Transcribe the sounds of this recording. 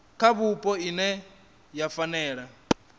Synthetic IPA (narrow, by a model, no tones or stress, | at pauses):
kʰaβupʼɔinɛ | jafanɛːɺa